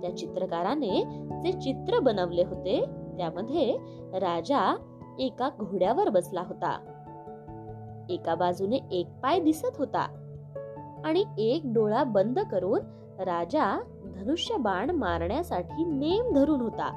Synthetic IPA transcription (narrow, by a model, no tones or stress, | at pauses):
t̪jat͡ɕit̪ɾəkaɾaned͡zet͡ɕit̪ɾəbənəʋleɦot̪et̪jaməd̪ʱːje | ɾad͡za | ekaɡʱoɽjaʋəɾbəslaɦot̪a̰ | ekabad͡zuneʔek̚pajd̪isət̪ɦot̪a̰ | aɽ̃iek̚ɖoɭabənd̪ʱkəɾuːn | ɾad͡ʑa | d̪ʱənuʂjəbaɳmaɾɳjasaʈʰiːnemd̪ʱəɾuːnɦot̪a̰